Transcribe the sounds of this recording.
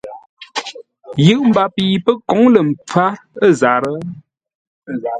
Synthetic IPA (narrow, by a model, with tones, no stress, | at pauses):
jɯ˦˨ʔm̩˨ba˨pi˨pə˦kɔ˨˦ŋlə˨m̩˨p͡fa˦ə˦˨za˨ɾə˦